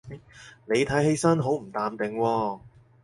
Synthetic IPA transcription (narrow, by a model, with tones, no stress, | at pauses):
ɐ˥jne˨˧jt̪ʰɐ˨˥jhe˥jsɐ˥nɦo˨˥wm̩˨˩t̪aː˨mt̪ɪ˨ŋwɔː˧